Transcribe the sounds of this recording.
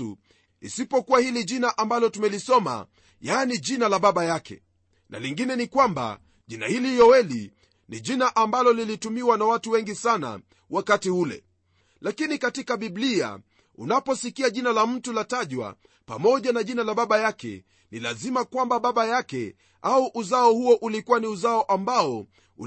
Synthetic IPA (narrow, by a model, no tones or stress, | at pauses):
ṵ | ḭsipɔkuwahiliʄinaʔambalɔtumɛlisɔma̰ | jaːniʄinalaɓaɓajakɛ̰ | na̰liŋɡinɛnikwamba̰ | ʄina̰hilijɔwɛli | niʄinaʔambalɔlilitumiwanawatuwɛŋɡisana̰ | wakatiulɛ̰ | lakinikatikaɓiɓlia̰ | ṵnapɔsikiaʄinalam̩tulataʄwa̰ | pamɔʄanaʄinalaɓaɓajakɛ̰ | nilazimakwambaɓaɓajakɛ | auʔuzaɔhuɔʔulikuwaniuzaɔʔambaɔ | ṵ